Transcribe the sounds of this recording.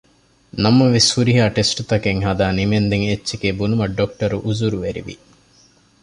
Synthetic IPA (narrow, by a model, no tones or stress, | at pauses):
nɐmɐʋeshuɾiɦaːʈesʈut̪ɐkeŋɦɐd̪aːnimend̪eŋet͡ʃːʃekeːbunumɐɖok̚ʈɐɾuʔuzuɾuʋeɾḭʋḭ